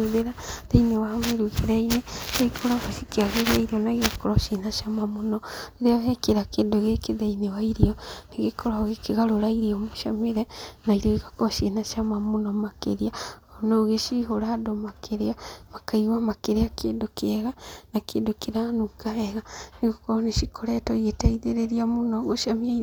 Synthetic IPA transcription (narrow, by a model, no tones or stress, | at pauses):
oðeɾaðeinewameɾuɣeɾɛineeikʰoɾaβasikeaɣeɾiaiɾiɔnaɣeakɔɾɔʃenaʃamamonɔeɾeɔɦɛkeɾakeːndoɣekeðeinewaiɾiɔneɣekʰɔɾaɣekeɣaɾoɾaiɾiɔmoʃa̰meɾɛnaiɾoiɣakɔɾɔʃenaʃamamonɔmakḛɾiaɔnoɣeʃiɦoɾaːdomakʰeɾeamakaiwamakeɾeakendokeɛɣanakeːndokeɾanukaɛɣaneɣokɔɔneʃikʰɔɾɛtɔietaiðeɾeɾiamonɔɣoʃamiai